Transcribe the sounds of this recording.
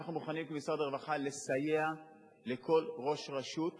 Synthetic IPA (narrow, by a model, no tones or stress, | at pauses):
aχnumuχanimkmisaʁd̪eʁvaχale̞saje̞a | le̞kʰo̞lʁo̞ʃʁaʃut